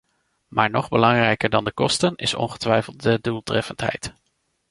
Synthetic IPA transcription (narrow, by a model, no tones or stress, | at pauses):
maːɹnɔχbəlɑŋrɛjkəɹdɑndəkɔstənɪ̰sɔ̰nχə̥tʋɛjfəlˠt̚dədulˠtrɛfəntɦɛ̰jt